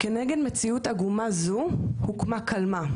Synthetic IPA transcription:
keneɡe̞dme̞t͡siutaɡumazuhukmakʰalma

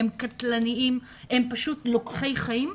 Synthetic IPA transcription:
emkatlaniim | e̞mpaʃutlokχe̞jχajim

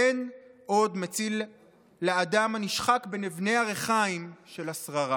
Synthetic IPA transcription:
enʔo̞d̪met͡silː | aːdamaniʃχakbenivne̞jaʁeχaimʃe̞lasʁaʁa

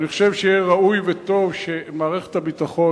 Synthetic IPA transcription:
niχoʃevʃejeʁaujvet̪o̞vʃemaːʁeχe̥t̪habitaχo̞

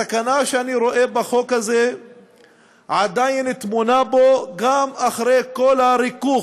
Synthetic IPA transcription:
sakanaʃeaniɾo̞ʔe̞baχo̞khaze | ʕad̪ajnet̪munabo̞ɡamaχɾejko̞laɾikuχ

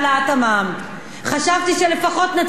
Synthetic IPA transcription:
laat̪amam | χaʃavt̪iʃele̞faχo̞t̪nat͡s

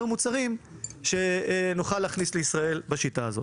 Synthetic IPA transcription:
umut͡saʁimʃe̞nuχalːaːχnisle̞isʁae̞lbaʃitaːzo̞̰t

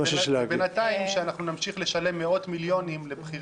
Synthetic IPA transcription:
aʃʃlaɡbenataimʃeanaχnunamʃiχle̞ʃale̞mːeo̞tmiljo̞nimlebχiʁ

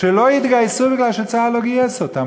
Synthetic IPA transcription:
elojid̪ɡajsubiɡlalʃet͡saːloɡiɛsot̪am

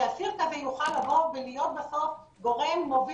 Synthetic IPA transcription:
asiʁt̪avejuχalːavo̞vvelijo̞t̪̚baso̞f | ɡo̞ʁemːovi

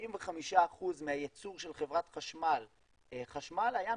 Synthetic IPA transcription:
imveχamiʃaːχuzmeajet͡suʁʃe̞lχevʁat̪χaʃmal | χaʃmalaja

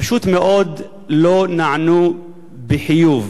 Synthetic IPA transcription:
ʃuːt̪meʔoːd̪ | lonaʕnu | bɪħɪjuːv

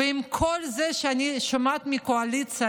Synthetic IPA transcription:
eimkʰolzɛʃeaniʃomat̪mikoalit͡sa

